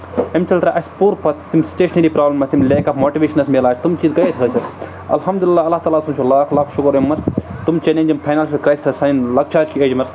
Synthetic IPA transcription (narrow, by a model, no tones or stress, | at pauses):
ɐmt͡ʃɐlʈ̪ɾaʔɐspuːɾpɐt̪simsi̥t͡ʃeːʃneɾipɾaːblɐmɐsimleːkɐpmoːʈiʋeːʃɐnɐsmeːlaːsʰʲt̪umt͡ʃiːzkɐjesʰkʰɐsʰɐ | ɐ̰lɦɐmd̪ulilːaːɐlːaːt̪aːlaːsɐmt͡ʃʰulaːkʰlaːkʰʃukɐɾɐmːɐst̪umt͡ʃenẽːnʲd͡ʒɐmpʰaːjnaːlʃikɾaːjsisɐsɐjnlɐk̚t͡ʃʰaːd͡ʒkied͡ʒmɐs